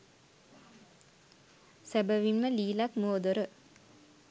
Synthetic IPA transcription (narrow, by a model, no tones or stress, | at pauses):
sæbəʋinməliːlakmuod̪oɾə